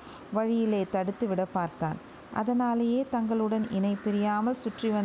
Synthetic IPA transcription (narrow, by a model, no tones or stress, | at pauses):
ʋɐɻɪjɪleːt̪ɐɽɯt̪ːɯʋɪɽɐpːaːɾt̪a̰ːn | ʔɐ̰ðɐnaːlɐjeːt̪ɐŋɡɐɭɯɽɐnɪnɐɪpːɪɾɪjaːmɐlsʊʈrɪʋɐ